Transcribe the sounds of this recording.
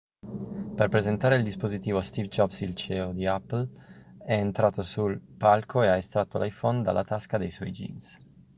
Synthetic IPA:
perpɾezent̪aːɾeild̪ispozit̪iːvost̪ivd͡ʒɔbsilt͡ʃɛod̪iapːlɛːnt̪ɾaːt̪osulpalkʰoeaest̪ɾat̪ːolʔajfɔnd̪a̰lːʔat̪askad̪ejswɔjd͡ʒḭns

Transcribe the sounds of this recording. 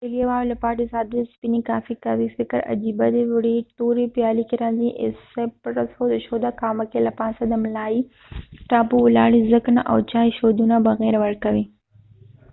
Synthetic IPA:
ɐɡeʋaːlɐpaːʈ̬isaːd̪ɾspinikaːfikɐʋifɪkəɾɐ̰d͡ʒiːbɐd̪eʋʊɽit̪oːɾipjaːlikeɾãːnziʔɪ̰sepɾɐshod̪ɐʃoːd̪akaːmɐkelɐpaːsɐd̪ɐmlaːi | ʈaːpuʊla̰ːɽizəknʔɐ̰wt͡ʃaːiʃoːd̪unabɐɣɛːɾʋɐɾkɐʋi

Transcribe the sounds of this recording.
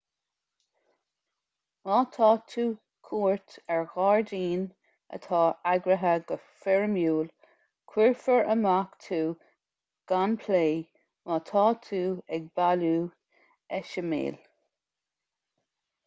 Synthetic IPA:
mɑːt̪ʰɑːt̪ʰuː | kʰuːɹtɛɹɣɑːɹdiːn | ə̰t̪ʰɑːaɡɾəɦəɡə | fɛɹmjuːl | kʰwiɹfəɹəmakt̪ʰuː | ɡ̥anpʰleː | mɑːt̪ʰɑːt̪ʰuːɛɡ̚baluː | ɛʃəmḛːl

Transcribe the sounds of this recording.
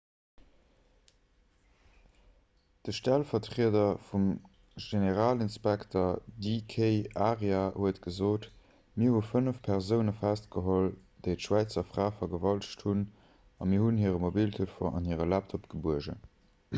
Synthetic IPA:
d̥əʃtælfɐtʁiədɐfum | ʒeneʁaːlinspæktɐdikʰeɪaːʁeahuətɡ̥əzoːt | miəɐhufənəfpʰɛʁzəʊnəfæst̚ɡ̥əɦold̥eɪtʃwæɪt͡sɐfʁ̥aːfɐɡəvɑlʃthun | ɑmiɐhunhiəʁəmobiltʰufoːʔɑ̰nhiəʁəlæp̚tʰopɡ̥əbuəʒə̰

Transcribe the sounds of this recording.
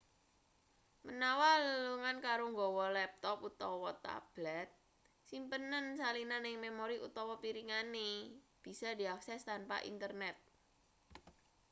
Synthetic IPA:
mənawaləluŋankaɾoŋɡɔwɔlɛp̚t̪ɔput̪ɔwɔt̪a̰b̥lɛt̪̚ | simpənənsalinanɪŋmemoɾiʔut̪ɔwɔpiɾiŋaneb̥i̤sɔdi̤aksɛst̪anpa̰ʔḭnt̪ərnɛt̪̚

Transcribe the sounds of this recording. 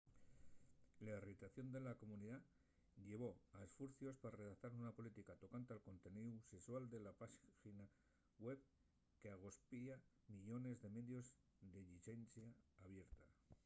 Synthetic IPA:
lairit̪aθjo̞nd̪e̞lako̞mũniða | ʎe̞β̞o̞aesfuɾθjo̞spaɾre̞ðakt̪aɾunapo̞lit̪ikat̪o̞kant̪ealko̞nt̪e̞niðuse̞swald̪e̞lapaxina | we̞β | ke̞aɣ̞o̞spia | miʎo̞ne̞zðe̞me̞ðjo̞z | d̪e̞ʎit͡ʃensjaːβje̞ɾt̪a

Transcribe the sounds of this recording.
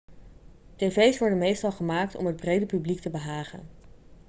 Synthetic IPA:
tejvejsʋɔɹdənmejstɑlˠχəmaːk̚tɔ̰mɦəd̚brejdəpybliktəbəɦaːχə̰n

